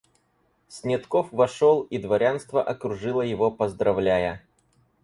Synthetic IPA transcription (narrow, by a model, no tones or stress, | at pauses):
sʲnʲɪt̪kofvɐʂolˠid̪vɐɾʲanst̪vəʔɐkɾʊʐɨlˠəjɪvopəzd̪ɾɐvlʲæjə